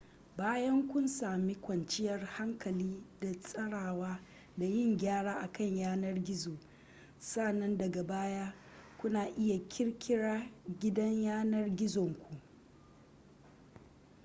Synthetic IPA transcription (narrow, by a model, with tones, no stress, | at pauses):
baː˦jɐ˦ŋkʷʊ˦nsaː˨mi˦kʷɐ˨nt͡ʃɪ˦jɐ˨rha˦ŋkɐ˨liː˦da˨sʼɐ˦ɽaː˨waː˦ | da˨jɪ˦˨ŋɡʲaː˦ɽaː˦ʔa˨kɐ˦˨ɲjaː˦nɐ˦rɡʲɪ˦zoː˨ | sa˦˨nːɐ˦ndɐ˨ɡa˨baː˦jaː˦ | kʷʊ˦naː˨ʔɪ˦ja˨kʲʰɪ˦ɽkʲʰɪ˦ɽaː˦ɡʲɪ˦dɐ˦ɲjaː˦nɐ˦rɡʲɪ˦zɔ˨ŋkʷʰu˨ʔ